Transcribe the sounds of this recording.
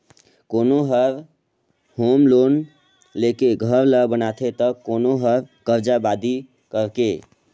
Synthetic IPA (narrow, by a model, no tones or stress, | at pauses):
koːnoɦəɾ | homloːn | lekeɡʱəɾləbənat̪ʰet̪əkːoːnoɦəɾkəɾd͡ʒabad̪i | kəɾke